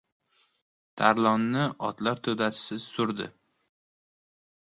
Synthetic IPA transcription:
t̪ʰaɾlˠɒnːɪɒt̪laɾt̪ʰɵd̪asʰɪ̥sɪzsʊɾd̪ɪ̰

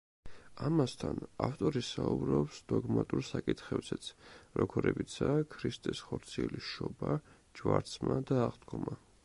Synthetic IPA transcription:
amast̪ʰanaft̪ʼɔɾisaubɾɔpsd̪̥ɔɡmat̪ʼuɾsakʼit̪ʰχɛbzɛt̪sʰɾɔkʰɔɾɛbit̪sʰaːkʰɾist̪ʼɛsχɔɾt̪sʰiɛliʃɔba | d͡ʒvaɾt̪sʰmad̪aːʁd̪ɡɔma

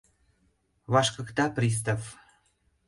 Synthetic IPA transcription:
βɑʃkɤ̆kt̪ɑprʲis̬t̪of

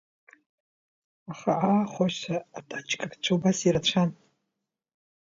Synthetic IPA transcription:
aχaʔaχʷaʃtʰaːtʼat͡ʃʼkʼakt͡ʃʷʰawbasiɾat͡ɕʷʰan

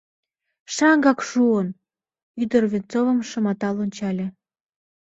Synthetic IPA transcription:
ʃɑŋɡɑkʃuən | yd̪ərvʲint͡sovə̆mʃə̆mɑt̪ɑlonʲt͡ɕɑlʲĕ

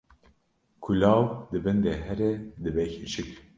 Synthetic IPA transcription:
kʰulɑːwd̪ɨbɛnd̪eːɦɛɾɛd̪ɨbɛçit͡ʃɨk

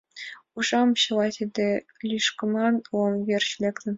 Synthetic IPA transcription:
uʐɑmɕɤ̆lˠɑt̪ʲid̪ʲɘ̆lʲiʂkɤ̆mɑnomvʲerɕlʲeklʲɘ̆

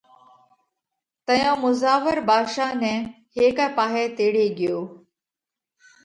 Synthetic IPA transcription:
t̪əjõːmʊzaːʋəɾbaːʃaːnɛ̃ː | ɦeːkɛːpaːɦeːt̪eːɽeːɠɪjoː

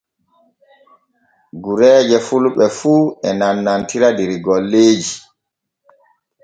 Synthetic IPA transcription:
ɡuɾɛːd͡ʒɛfulɓɛfuːɛnanːantiɾadɛɾɡɔlːeːd͡ʒi

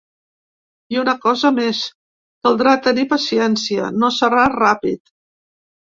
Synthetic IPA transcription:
iunəkɔzəmes | kalˠd̪ɾat̪ənipəsiɛnsiə̰nosəɾarapit̪

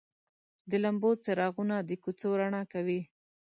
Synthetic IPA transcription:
d̪əlambot͡saɾɑɣunad̪əkut͡soɾaɳɑkawi

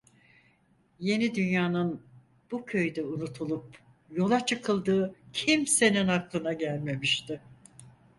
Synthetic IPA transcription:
je̞nid̪ynjaːnɯn | b̥ucʰø̞jd̪ɛunut̪ʰulˠup | jo̞lˠat͡ʃʰɯkʰɯlˠd̪ɯːcʰimse̞ninhaklˠɯnaɟælʲme̞miʃt̪ɪ

